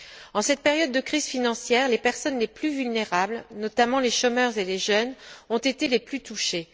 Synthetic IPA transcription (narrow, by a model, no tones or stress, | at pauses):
ɑ̃sɛt̪̚peʁjɔd̪̚ːəkχiz̥finɑ̃sjɛːʁlepɛʁsɔnleplyvylneʁablnɔt̪amɑ̃leʃɔmœʁzeleʒœnɔ̃t̪et̪eleplyt̪uʃe